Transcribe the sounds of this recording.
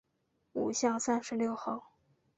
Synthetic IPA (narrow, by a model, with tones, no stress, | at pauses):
ṵ˨˩ɕjɑ˥˧ŋsa˥˧nʂɻ̩˧˥ljo˥˧ʊxo˥˩ʊ